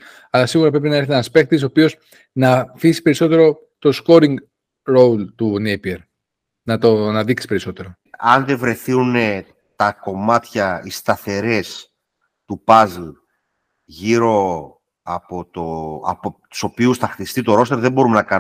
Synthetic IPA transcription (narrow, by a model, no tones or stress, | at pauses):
ɐlɐsiɣuɾɐpɾe̞p̬inɐeɾθienɐspe̞k̚t̪iso̞ːpios | nɐfisi̥pe̞ɾiso̞t̪e̞ɾo̞ | t̪o̞sko̞ɾiŋɡ | ɾo̞wlt̪unejpieɾ | nɐt̪onɐðiksi̥pe̞ɾiso̞t̪e̞ɾo̞ | ɐnðe̞vɾe̞θiune | t̪ɐko̞mɐt̪çɐist̪ɐθe̞ɾe̞s | t̪upɐzl | ʝiɾo̞ | ɐpot̪oɐ̰pot̪u̥so̞piusθɐxtist̪it̪o̞ɾo̞st̪e̞ɾðebo̞ɾumenɐkɐ